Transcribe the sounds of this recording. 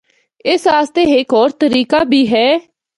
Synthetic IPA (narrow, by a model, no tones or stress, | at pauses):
ɪsaːst̪eːɦekɔːɾt̪əɾiːkaːbʱiːɦɛː